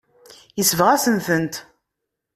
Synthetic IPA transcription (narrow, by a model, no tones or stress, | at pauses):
jəsvəʁæsənθənt̪